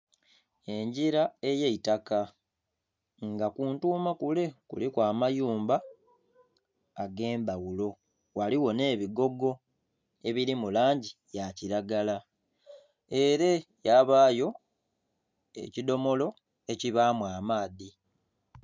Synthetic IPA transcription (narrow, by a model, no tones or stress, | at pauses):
e̞ɲɟiɾae̞jeitaka | ŋɡakuːntuːmakule̞kṵlikwaːmajuːmba | ɡe̞ːmbawulo̞ | waliwo̞ne̞ːβiɡo̞ɡo̞ | e̞βiɾimulaːɲɟijaciɾaɡala | e̞ɾe̞jaβaːjo̞ | e̞̰cido̞mo̞lo̞ | e̞ciβaːmwaːmaːði